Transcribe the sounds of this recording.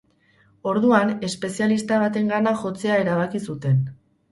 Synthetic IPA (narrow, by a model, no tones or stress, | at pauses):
o̞ɾðuane̞spe̞sialist̪aβ̞at̪e̞ŋɡanaʝo̞t͡se̞aeɾaβ̞akisut̪e̞n